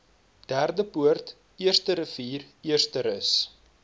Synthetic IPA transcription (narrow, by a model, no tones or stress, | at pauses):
d̥ærdəpuərt | iərstəɾəfiːr | iərstəɾəs